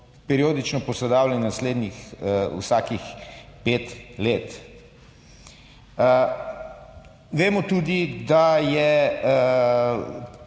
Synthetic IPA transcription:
pɛɾioːd̪it͡ʃnɔpɔsɛd̪aːwlʲɛnnasleːd̪nixw̰saːkixpeːt̪leːt̪ | ʋeːmɔt̪uːd̪id̪ajɛ

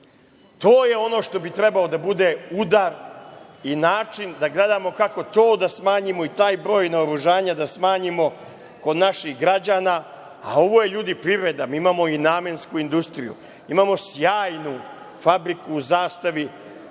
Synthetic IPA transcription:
t̪o̞ːje̞o̞no̞ʂt̪o̞bit̪ɾe̞baod̪abud̪e̞ud̪aɾ | inaːt͡ʃind̪aɡle̞d̪amo̞kako̞t̪o̞ːd̪asmaːɲimo̞it̪aːjbɾo̞ːjnaoɾuʒaːɲad̪asmaːɲimo̞ | ko̞d̪naʃixɡɾad͡ʑaːna | a̰o̞ʋo̞je̞ʎuːd̪ipɾiʋɾe̞d̪amiimaːmo̞inaːmenskuind̪ust̪ɾijṵ | imaːmo̞sjaːjnu | fabɾikuːzaːst̪aʋi

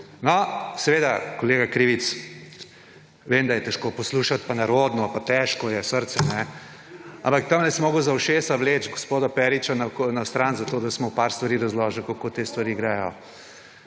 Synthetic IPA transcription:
nɔsɛʋeːd̪akoleːɡakɾiːʋit̪s | ʋeːmd̪ajɛt̪ɛʃkopɔsluːʃat̪̚panaɾoːd̪nɔpat̪ɛʃkɔjɛsəɾt̪sɛnɛ | a̰mpakt̪amnɛsmoːɡowzɐwʃeːsaʋleːt͡ʃɡospoːd̪ɔpɛɾit͡ʃanakonast̪ɾanzat̪oːd̪asmɔpaɾst̪ʋaɾiːɾɐzlɔːʒəlkokot̪eːst̪ʋaɾiːɡɾaːjɔ

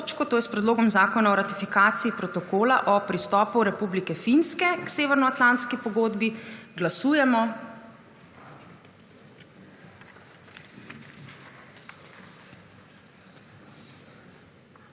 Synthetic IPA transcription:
t͡ʃkɔt̪oːjɛspɾɛd̪loːɡɔmzaːkɔnaɔɾat̪ifikaːt̪siːpɾɔt̪ɔkoːlaʔɔpɾist̪ɔːpuɾɛpublikɛfinskɛkseːʋɛɾnɔat̪lant̪skipɔɡoːd̪biɡlasuːjɛmɔ

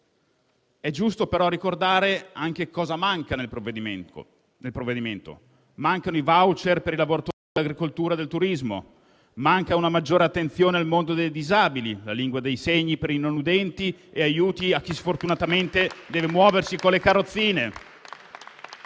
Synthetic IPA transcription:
ɛd͡ʒust̪opeɾɔrːikord̪aːɾeaŋk̟ekɔːzamaŋkanep | nelpɾovːed̪iment̪o̰ | maŋkanoivawt͡ʃerpeɾilavoɾat̪oːɾidid̪elːaɡɾikolt̪uːɾad̪elt̪uɾizmo̰ | maŋkaunamad͡ʒːoːɾeat̪ːent̪sjoːnealmond̪od̪ejd̪izaːbililaliŋɡwad̪ejseɲːipeɾinonud̪ɛnt̪ieajuːt̪iak̟ːisfort̪unat̪ament̪ed̪ɛːvemwɔːversikolekarːot̪sːiːne

